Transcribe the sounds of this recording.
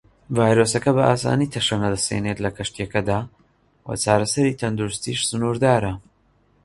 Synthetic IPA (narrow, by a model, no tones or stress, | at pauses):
vaːjɾoːsɐkɐbɐʔaːsa̰ːniːt̪ʰɐʃɐnɐd̪ɐsḛnet̪lɐkʰɐʃt̪ijɐkɐd̪aː | wɐ̰t͡ʃaːɾɐsɐɾit̪ʰɐnd̪uɾʊst̪iːʃsɨnuːɾd̪aːɾɐ